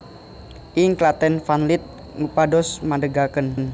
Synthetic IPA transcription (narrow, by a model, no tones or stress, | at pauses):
ʔɪŋklat̪ɛnfanlit̪̚ | ŋupadɔsmadəɡakənn